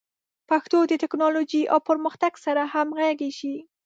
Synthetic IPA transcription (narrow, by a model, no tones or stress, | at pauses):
paxt̪od̪ət̪ɪknɑlod͡ʒiʔa̰wpəɾməxt̪aɡsaɾahamɣaɡeʃi